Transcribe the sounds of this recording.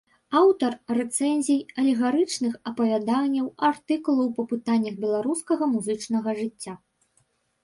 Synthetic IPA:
awt̪ɐrːɛt̪sɛnʲzʲijɐlʲɛɣaɾɨt͡ʂnɨxɐpɐvʲad̪anʲːɐwart̪ɨkulˠɐwpɐpɨt̪anʲːɐɣbʲɛlˠaɾuskɐɣɐmuzɨt͡ʂnɐɣɐʐɨt͡sʲːa

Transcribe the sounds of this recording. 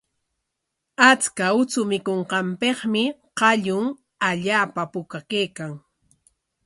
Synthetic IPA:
at͡skaʊt͡sʊmɪkoɴqɑmpeχmɪqɑʎʊŋ | aʎaːpapʊkakejkaŋ

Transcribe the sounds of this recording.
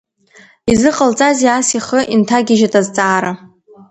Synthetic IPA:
izɨqʼəlt͡sʼaziasiχəʔintʰaɡʲɪʒatʼazt͡sʼaːɾa

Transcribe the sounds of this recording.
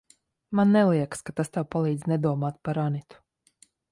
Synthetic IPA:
manːɛlˠiɛkskat̪ast̪awpalˠiːd̪znɛd̪uɔmaːt̪̚paɾanit̪u̥

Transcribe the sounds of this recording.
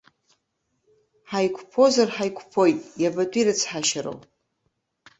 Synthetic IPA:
ħajkʷʰpʰo̞zarħajkʷʰpʰo̞jtʼjabatʷʼiɾɨt͡sʰħaʃaɾo̰w

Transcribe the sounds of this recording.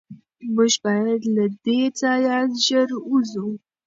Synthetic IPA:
mʊʒbɑjad̪lad̪et͡sɑjaʒəɾuzu

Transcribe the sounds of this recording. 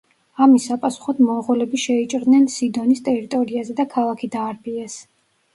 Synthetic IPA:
amisapʼasu̥χɔd̪mɔʁɔlɛbiʃɛit͡ʃʼɾd̪nɛnsid̪ɔnist̪ʼɛɾit̪ʼɔɾiazɛd̪akʰalˠakʰid̪aːɾbiɛs

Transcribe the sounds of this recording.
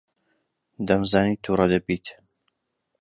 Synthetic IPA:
d̪ɐmzaːnit̪ʰurɐd̪ɐbit̪

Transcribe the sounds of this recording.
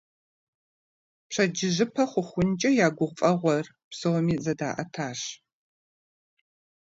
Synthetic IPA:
pɕʰɐd͡ʒɪʒɨpʰɐχʷʊχʷʊnt͡ʃʼɐjaːɡʷʊʁfʼɐʁʷɔr | psowmiːzɐda̰ːʔɐtʰaːɕ

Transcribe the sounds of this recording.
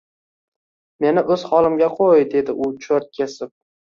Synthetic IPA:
me̞nɪʔɵz̥χɒlˠɪmɡʲaqʰojd̪e̞d̪ɪʔʊt͡ʃʰoɾt̪̚kʲʰe̞sɪp̚

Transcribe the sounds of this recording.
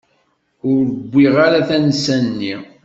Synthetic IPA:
ʊɾɾəɡʷːiʁaɾaθænsænnːi

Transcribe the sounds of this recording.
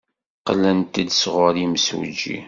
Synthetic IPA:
qəlːənt̪əd̪sʁʊɾimsṵd͡ʒːḭ

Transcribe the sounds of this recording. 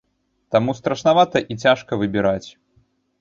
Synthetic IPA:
t̪amust̪ɾɐʂnavat̪ɐʔit͡sʲaʂkɐvɨbʲiɾat͡sʲ

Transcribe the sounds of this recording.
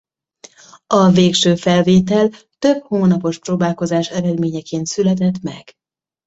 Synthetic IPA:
ɒveːkʃøːfɛlveːt̪ɛl | t̪ø̞bhoːnɒpo̞ʃproːbaːlko̞zaːʃɛɾɛd̪meːɲɛkeːnt̪sylɛt̪ɛt̪mɛ̰ɡ̥

